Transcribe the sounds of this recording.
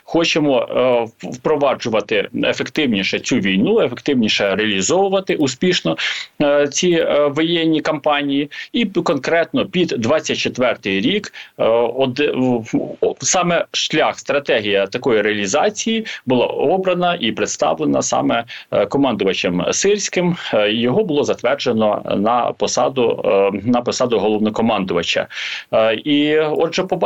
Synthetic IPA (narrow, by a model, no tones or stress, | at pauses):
xɔt͡ʃemɔ | wpɾɔʋɑd͡ʒʊʋɐt̪ɪefekt̪ɪwnʲiʃɛt͡sʲuʋʲijnuefekt̪ɪwnʲiʃɛɾeɐlʲizɔʋʊʋɐt̪ɪʔusʲpʲiʃnɔ | t͡sʲiʋɔjɛnʲːikɐmpɑnʲijiikɔnkɾɛt̪nɔpʲid̪ːʋɑt͡sʲːɐt̚ʲt͡ʃet̪ʋɛrt̪ɪjɾʲik | ɔd̪ | sɑmɛʃlʲaxst̪ɾɐt̪ɛɦʲijɐt̪ɐkɔjireɐlʲizɑt͡sʲijibʊlˠɑ̰ɔbɾɐnɐʔipɾet̪st̪ɑ̰ʋlˠenɐ̰sɑ̰mɛkɔmɑnd̪ʊʋɐt͡ʃemsɪrʲsʲkɪmjɔɦɔbʊlˠɔzɐt̪ʋɛrd͡ʒenɔ̰nɐ̰pɔsɑ̰d̪ʊ̰nɐpɔsɑd̪ʊɦɔlˠɔwnɔkɔmɑnd̪ʊʋɐt͡ʃɐ̰ | iɔʒɔpɔb